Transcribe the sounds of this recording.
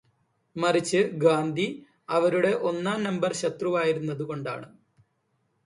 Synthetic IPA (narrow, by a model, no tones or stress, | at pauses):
mɐrit͡ɕːɨɡaːnd̪ʱi | ɐʋɐɾuɽe̞ʔo̞nːaːnɐmbɐrɕɐt̪ruʋaːjiɾunːɐðuko̞ɳɖa̰ːɳɨ